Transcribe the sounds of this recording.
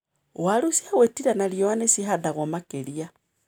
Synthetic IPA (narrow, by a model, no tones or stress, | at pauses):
walusi̥hawetiɾanaliowanesiadaɣomakelia